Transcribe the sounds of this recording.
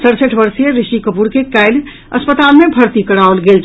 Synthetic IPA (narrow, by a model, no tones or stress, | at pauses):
səɽsəʈʰbəɾsijeɾɪʃikəpuɾkekaːɪl | ɐ̰spət̪aːlmẽbʱɐɾt̪ikɐɽaolɡeːl